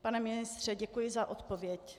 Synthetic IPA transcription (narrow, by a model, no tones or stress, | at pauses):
panɛmɪnɪst̪r̝̥ɛɟɛkujɪzaʔo̞t̪povjɛc